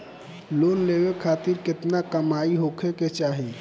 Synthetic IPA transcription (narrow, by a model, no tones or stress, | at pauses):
lonlebekʰaːt̪ɪɾkɪt̪nakəmaiɦokʰeket͡ʃaːɦi